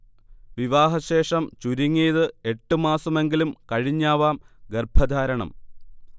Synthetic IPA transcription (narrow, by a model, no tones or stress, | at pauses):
ʋiʋaːɦɐɕe̞ːʂɐmt͡ɕuɾiŋːiːðɨe̞ʈːɨmaːsɐme̞ŋɡilumkɐɻiɲːaːʋaːmɡerbʱɐd̪ʱaːɾɐɳɐ̰m